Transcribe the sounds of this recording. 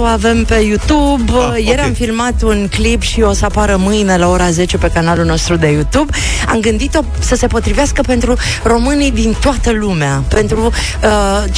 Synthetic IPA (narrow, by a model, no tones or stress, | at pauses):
oave̞mpe̞jut̪ubje̞ɾamfilmat̪unklipʃio̞səapaɾəmɨjne̞lao̞ɾaze̞t͡ʃe̞pe̞kanalulno̞st̪ɾud̪e̞jut̪ub | a̰mɡɨnd̪it̪o̞ | səse̞po̞t̪ɾiveaskəpe̞nt̪ɾu | ro̞mɨnid̪int̪oat̪əlumeape̞nt̪ɾu | ə